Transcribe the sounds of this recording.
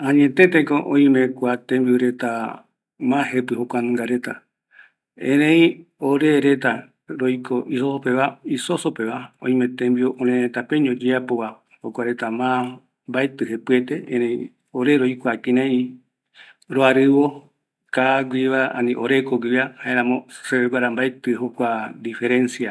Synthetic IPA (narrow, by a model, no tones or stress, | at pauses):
ãɲẽt̪ẽt̪ekoʔõĩmẽkʷat̪ẽmbioɾet̪a | mãɦepɨhokʷanɨ̃ŋɡaɾet̪a | ḛ̃ɾẽĩoɾeɾet̪a | ɾojkoʔisosopeβaisosopeβaõ̰ĩmẽt̪ẽmbioʔõnẽɾet̪apeɲõd͡ʒeapoβa | hokʷaɾet̪amã | mbaet̪ɨhepɨet̪eẽɾẽĩ | oɾeɾojkʷakĩnẽi | ɾoaɾɨβo | kaɡʷiβaa̰nĩʔoɾekoɡʷiahaʔeɾãmõseβeɡʷaɾambaet̪ɨɦokʷad̪ife̞ɾẽnsia